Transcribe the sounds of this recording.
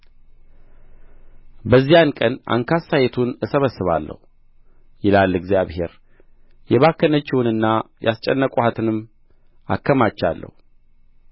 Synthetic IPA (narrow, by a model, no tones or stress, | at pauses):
bəzːijankʼəna̰ŋkʰasajet̪ʰunɨsəβəsːɨβa̰lːə̰hu | jɪlalːɨɡzijaβhe̞̰ɾ | jɛβakːənət͡ʃːɛwɨnɨnːajʔast͡ʃʼɛnːəkʼuhat̪ʰɨnɨmː | a̰kːəmat͡ʃːalːə̰hu